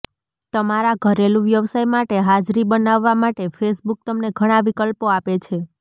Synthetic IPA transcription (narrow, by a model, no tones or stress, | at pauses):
t̪əmaɾaɡʱəɾelũʋjəʋsajmaʈeɦad͡ʒɾibənaʋːamaʈefʰesbuk̚t̪əmneɡʱəɽ̃aʋikəlpoapet͡ʃʰe